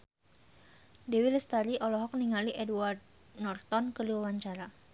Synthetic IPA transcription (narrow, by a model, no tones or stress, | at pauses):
dɛwiləst̪aɾiʔɔlɔɦɔk̚niŋaliʔɛduard̪̚ | nɔrt̪ɔnkəluwawaɲt͡ʃaɾa